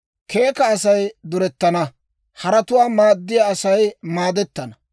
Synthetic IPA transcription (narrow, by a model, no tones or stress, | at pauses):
ke̞ːkɐːsɐjd̪ʊɾɛt̪ːɐnɐ | hɐɾɐt̪ʊwaːmaːd̪ːɪjaːsɐjmaːd̪ɛt̪ːɐnɐ